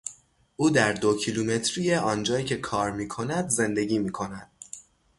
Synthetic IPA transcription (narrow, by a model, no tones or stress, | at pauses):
ʔuːd̪æɾd̪ocʰiluːme̞t̪ʰɾijeʔɒːnd͡ʒɒːjiːcʰe̞kʰɒːɾmiːkʰo̞næd̪ze̞nd̪e̞ɟiːmiːkʰo̞næd̪̥̚